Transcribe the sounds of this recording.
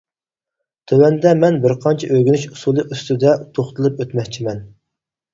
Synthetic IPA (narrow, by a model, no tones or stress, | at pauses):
t̪ʰøwɛnd̪ɛmɛnbɪɾqʰɑnt͡ʃʰɛʔøɡʲynyʃusulˠɨʔyst̪yd̪ɛt̪ʰoχt̪ʰɨlˠɨpøt̪mɛkʲt͡ʃʰimɛn